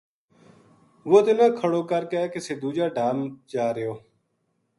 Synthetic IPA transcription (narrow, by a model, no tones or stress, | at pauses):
ʋoːt̪ɪnãːkʰəɽoːkəɾkːkeseːd̪uːd͡ʒaːɖʱaːmt͡ʃaːɾeoː